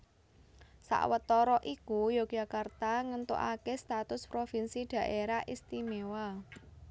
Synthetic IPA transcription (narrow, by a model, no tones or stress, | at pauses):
sa̰ʔwət̪ɔɾɔʔikujoɡ̥ʒ̥a̤kart̪aŋənt̪ṵʔa̰kest̪at̪ʊspɾofinsiɖ̪̥ä̤ʔeɾaʔist̪imewa